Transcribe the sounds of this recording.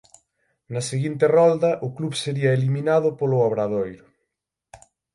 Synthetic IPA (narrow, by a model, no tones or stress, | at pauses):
nɐseɣint̪erɔld̪ɐʔʊkluβseɾiɐeliminaðʊpolʊaβɾaðojɾʊ